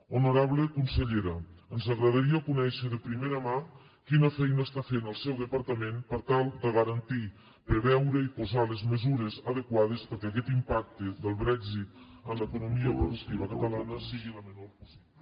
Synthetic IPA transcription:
unuɾaβlekunsəʎeɾəənzəɣɾəðaɾiəkunɛʃəðəpɾimeɾəma | kinəfɛjnəst̪afenəlˠsɛwðəpəɾt̪əmempəɾt̪alˠd̪əɣəɾənt̪i | pɾeβɛwɾəipuzalezməzuɾezəðəkwað̞espəɾkɛɐk̬ɛt̪impak̚t̪əðəlˠβɾɛɡzit̪ənləkunumiəpɾuðuk̚t̪iβ̞əkət̪əlanəsiɣiləmənoɾpusia

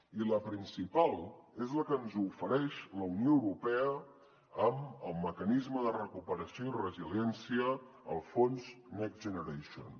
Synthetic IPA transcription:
iləpɾinsipalˠezləkənzufəɾɛʃləunioəwɾupɛə | əməlˠməkənizməðərəkupəɾəsioirəziljɛnsiəː | lˠfonznɛkʒənəɾeʃo̰n

